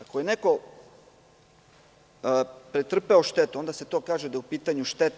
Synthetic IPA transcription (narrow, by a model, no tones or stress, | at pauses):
akojeneko̞ | pɾet̪r̩peoʃt̪et̪uo̞nd̪aset̪o̞ːkaːʒed̪ajeupiːt̪aɲuʃt̪et̪